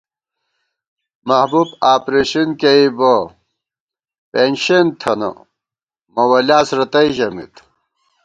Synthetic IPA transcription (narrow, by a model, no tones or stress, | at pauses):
mɐhbubaːpɾeɕinkeibo | penɕent̪ʰɐnɐ̰ | mɐwɐlaːsɾɐt̪ɐiʑɐmḭt̪